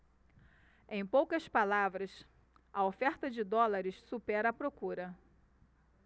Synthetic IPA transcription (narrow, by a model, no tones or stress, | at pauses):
ẽj̃powkɐspalavɾɐs | ɐofɛɾt̪ɐd͡ʒɪd̪ɔlaɾɪssupɛɾɐːpɾokuɾɐ